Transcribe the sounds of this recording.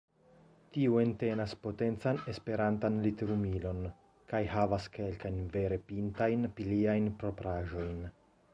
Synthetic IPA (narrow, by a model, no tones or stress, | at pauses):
tiuente̞naspo̞te̞nt͡sane̞spe̞ɾantanliteɾumilo̞n | kajhavaske̞lkajnve̞ɾe̞pintajnpiliajnpɾo̞pɾaʒo̞jn